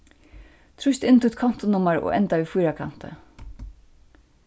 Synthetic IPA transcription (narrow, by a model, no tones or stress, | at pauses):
t̪ʰɾʊʃt̪ɪnt̪ʰut̪kʰɔn̥t̪ʊnʊmaɹɔ̰ʔɛ̰nt̪aʋifujɾakʰa̰n̥t̪ə̰